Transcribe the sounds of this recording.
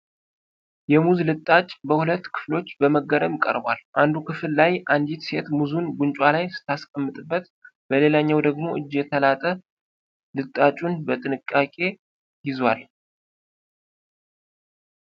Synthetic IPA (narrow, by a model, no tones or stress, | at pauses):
jɛmuzlɨt̪ʼːat͡ʃʼbəhulət̪ːkʰɨ̥flo̞t͡ʃːbəməɡəɾəmkʼə̰ɾbalʔand̪ukʰɨfɨlːajʔand̪it̪se̞t̪muzunɡuɲt͡ʃʼwalajsɨ̥t̪ʰːaskʼəmːɨt̪ʼɨbːət̪ | b̥əle̞laɲːawd̪əɡmo̞ʔɨd͡ʒːjɛt̪ʰəlat̪ʼə | lɨt̪ʼːat͡ʃʼunbət̪ʼɨnɨkʼːakʼe̞ | jɪzwal